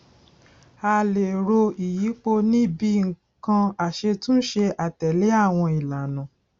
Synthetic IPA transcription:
a˧le˨ɾo˧i˨ji˨˦k͡po˦˧nĩ˦˨bi˦ŋ̩˨ | kã˧a˨ʃe˧tũ˦ʃe˧ʔa˨tɛ˨le˨˦a˦˨w̃ɔ̃˧i˨la˨nã˨

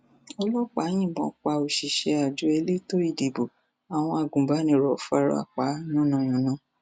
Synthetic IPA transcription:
ɔ˧lɔ˦k͡pa˨˦j̃ĩ˦˨bɔ̃˨˦k͡pa˧o˨ʃi˨ʃe˧a˨d͡ʒu˧˦e˧le˦to˦i˦˨di˨bo˨ | a˨w̃ɔ̃˧a˨ɡũ˨ba˨˦nĩ˧˨ɾɔ˨fa˧ɾɔ̰˦a̰˨k͡pa˨˦nũ˦nã˧˨j̃ɔ̃˨nã˨˦

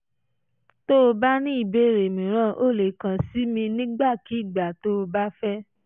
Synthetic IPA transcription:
to˦o˧ba˦nĩ˦i˦˨be˨˦˨ɾe˨mĩ˨ɾ̃ã˦˨ʔo˦˨le˨kã˨si˨˦mĩ˧nĩ˦ɡ͡ba˦˨ki˨˦˨ɡ͡ba˨to˦o˧ba˦fɛ˦

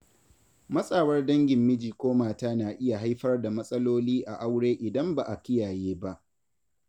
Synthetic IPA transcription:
mɐ˦sʼaː˨wɐ˦rdɐ˦ŋɡʲɪ˨mːɪ˦d͡ʒiː˨kʷoː˦maː˨taː˦naː˨ʔɪ˦ja˨ɦa˦jɸɐ˦rda˨mɐ˦sʼɐ˦loː˦liː˦ʔa˨ʔa˦wɽeː˦ʔɪ˨dɐ˦mba˨ʔa˨kʲɪ˦jaː˨jeː˦ba˦ʔ

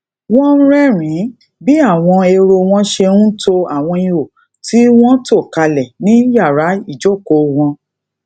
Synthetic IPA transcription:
wɔ̃˦n̩˦ɾɛ˦˨ɾ̃ĩ˨˦ | bi˦a˦˨w̃ɔ̃˧e˧ɾo˧w̃ɔ̃˦ʃe˧ũ˦to˧a˨w̃ɔ̃˧ĩ˧o˨ | ti˦w̃ɔ̃˦to˦˨ka˧lɛ˨nĩ˨˦ja˦˨ɾa˨˦i˦˨d͡ʒo˦˨ko˨˦w̃ɔ̃˧

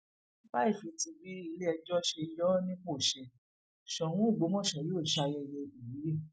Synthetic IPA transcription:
ba˦i˦˨fĩ˨˧ti˧bi˦i˧le˦ɛ˧d͡ʒɔ˦ʃe˧jɔ˦nĩ˦ko˦˨ʃɛ˧ | ʃɔ˨w̃ũ˨˦u˦˨ɡ͡bo˨˦mɔ̃˦˨ʃɔ˨joː˦˨ʃa˦˧jɛ˧jɛ˧i˨ji˨˦e˦˨

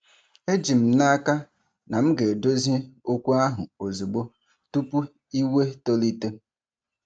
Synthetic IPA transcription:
e˦d͡ʒi˨m̩˨na˦a˦ka˦ | na˨m̩˦ɡe˨do˦ze˦o˦kʷu˦a˦ɦʊ˨o˨zu˨ɡ͡bo˦ | tu˦pu˦ | i˦we˦to˦li˦te˦

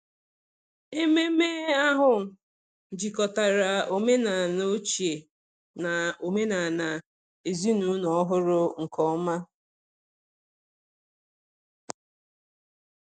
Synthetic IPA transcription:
e˦me˦me˦a˦ɦʊ˨ | d͡ʒi˨kɔ˨ta˨ɾa˨o˨me˦na˨no˦t͡ʃi˨e˨ | na˨o˨me˦na˨na˨ | e˨zi˦nu˦nɔ˦ɦʊ˦ɾʊ˦ŋ̩˨kɔ˦ma˦

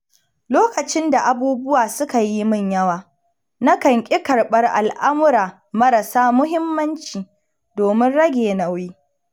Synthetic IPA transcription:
loː˦kɐ˨t͡ʃɪ˦nda˨ʔa˨buː˦bʊ˦waː˨sʊ˦ka˨ji˦mʊ˦˨ɲjɐ˦waː˨ | na˦kɐ˨ŋkʲʼɪ˦kɐ˨ɽɓɐ˦rʔa˨lʔa˦mʊ˦ɾaː˨ | mɐ˦ɾɐ˨saː˦mʊ˦ɦɪ˦mːɐ˦nt͡ʃiː˨ | doː˨mɪ˦nɽɐ˦ɡʲeː˨na˨wiː˦

